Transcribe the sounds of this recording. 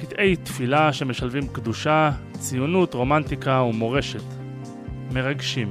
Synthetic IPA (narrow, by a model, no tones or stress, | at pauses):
kid̪e̞jt̪filaʃe̞me̞ʃalvimkd̪uʃa | t͡sijunutʁo̞mant̪ikaumo̞ʁe̞ʃe̞t̪ | me̞ʁaɡʃim